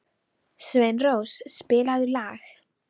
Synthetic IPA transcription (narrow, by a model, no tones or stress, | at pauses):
svejnrowsspɪːlaðʏlaːx